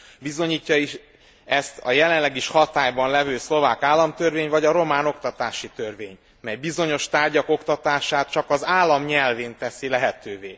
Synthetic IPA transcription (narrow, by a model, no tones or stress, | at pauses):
bizo̞ɲiːcːɒiʃ | ɛst̪ɒ̰jɛlɛnlɛɡiʃhɒt̪aːjbɒnlɛvøːslo̞vaːkaːlːɒmt̪ø̞rveːɲvɒɟɒɾo̞maːno̞kt̪ɒt̪aːʃit̪ørvḛːɲ | mɛjbizo̞ɲo̞ʃt̪aːrɟɒko̞kt̪ɒt̪aːʃaːt̪̚t͡ʃɒkɒzaːlːɒmɲɛlveːnt̪ɛsilɛɦɛt̪øːveː